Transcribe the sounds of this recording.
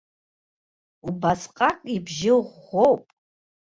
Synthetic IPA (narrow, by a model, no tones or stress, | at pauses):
ubasqʼakʷʼibʒɪʁowpʼ